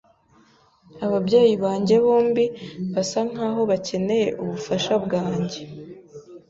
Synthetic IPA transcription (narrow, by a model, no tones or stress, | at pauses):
aβabɟe̞ːjiβaːɲɟe̞βoːmbiβasaŋ̥aːɦo̞βace̞ne̞je̞ʔuβufaʃabɡaːɲɟe̞